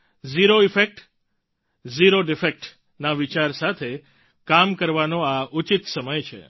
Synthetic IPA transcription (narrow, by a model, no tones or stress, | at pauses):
ziɾoifek̚ʈ | ziɾoɖifek̚ʈ | naʋit͡ʃaɾsat̪ʰe | kamkəɾʋanoaut͡ʃit̪səməjt͡ʃʰḛ